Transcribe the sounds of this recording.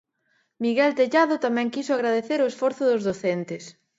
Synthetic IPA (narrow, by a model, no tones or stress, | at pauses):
miɣɛlt̪eʎaðʊt̪amɛ̃ŋkisʊaɣɾaðeθeɾoesfɔɾθʊðʊzðoθent̪ɪs